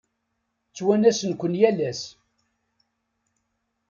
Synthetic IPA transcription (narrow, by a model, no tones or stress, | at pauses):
t͡sːwænæsənkʷənjælæs